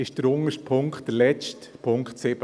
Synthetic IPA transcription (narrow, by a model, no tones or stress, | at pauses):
ɪʃd̥əɾʊŋəʃtpʰʊŋkχt̚d̥əɾlɛt͡stpʰʊŋkχtsɪb̥